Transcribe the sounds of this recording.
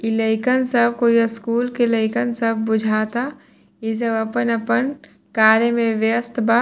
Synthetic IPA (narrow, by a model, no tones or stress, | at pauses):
iləɪkənsəb̚koiskuːlkeləɪkənsəb̚ʱbʊd͡ʒʱaːt̪a | isəbɐpənɐpən | kaːɾjemẽʋjəst̪ʰba